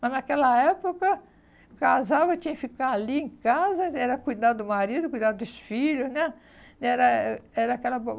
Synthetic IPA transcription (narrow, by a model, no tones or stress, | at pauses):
mɐznakɛlɐɛpokɐ | kazawet͡ʃĩɲɐfikaaliẽkazɐɛɾɐkujd̪ad̪ʊd̪ʊmaɾid̪ʊkujd̪ad̪ʊd̪ʊsfiʎʊznɛ | ɛɾɐɛɾɐakɛlɐbo